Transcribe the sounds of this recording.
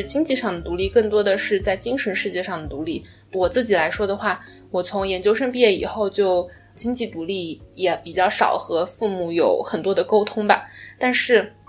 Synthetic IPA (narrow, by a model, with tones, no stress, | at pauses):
t͡ɕi˥ŋt͡ɕi˥˧ʂɑ˥˩ŋd̪ə˩t̪u˧˥li˥˧kɤ˥˩ŋt̪̬wɔ˥d̪ə˨ʂɻ̩˥˧t͡sa˥˩ɪt͡ɕi˥ŋʂə˧˥nʂɻ̩˥˧t͡ɕjɛ˥˧ʂɑ˥˩ŋd̪ə˩t̪u˧˥li˥˩ | wɔ˨˩t͡sɹ̩˥˩t͡ɕi˨˩la˧˥ɪʂwɔ˥d̪ə˨xwa˥˩ | wɔ˨˩t͡sʰʊ˧˥ŋjɛ˧˥nt͡ɕjo˥ʊʂə˥ŋpi˥˧jɛ˥˩ḭ˨˩xo˥˧ʊt͡ɕjo˥˩ʊ | t͡ɕi˥ŋt͡ɕi˥˩t̪u˧˥li˥˩jɛ˧˩pi˨˩t͡ɕjɑ˥˩ʊʂɑ̰˨˩ʊxɤ˧˥fu˥˧mu˥˩jo˨˥ʊxə˨˩nt̪wɔ˥d̪ə˨ko˥ʊt̪ʰʊ˥ŋbɐ˨˩t̪a˥˧nʂɻ̩˥˩